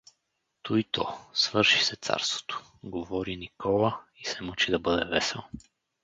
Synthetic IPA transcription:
t̪uit̪ɔsvɤɾʃi̥sɛt̪sa̰ɾst̪vo̥t̪o̥ | ɡovɔɾinikʰɔlˠəisɛmut͡ʃid̪ɐbɤd̪ɛvɛsɛlˠ

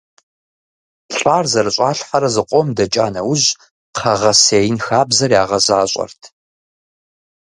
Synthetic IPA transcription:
ɕʷʼaːrzɐrɨɕʼaːɬħaɾɐzɨqʷʼɔmdɐt͡ʃʼaːnɐwʊʑ | qʰɐʁɐseːjɪnxaːbzɐrjaːʁɐzaːɕʼɐ̰rtʰ

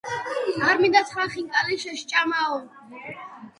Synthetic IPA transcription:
aɾmid̪at̪sʰχwaχiŋkʼaliʃɛʃt͡ʃʼamaɔ

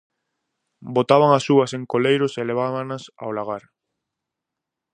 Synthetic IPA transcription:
bot̪aβ̞aŋasuaseŋkolejɾoseleβ̞aβanasa̰olaɣ̞aɾ

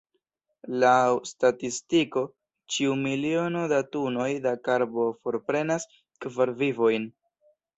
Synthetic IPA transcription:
lawstatistiko̞ | t͡ʃiumilio̞nodatuno̞jdakaɾbo̞fo̞ɾpɾe̞nas | kvaɾvivo̞jn

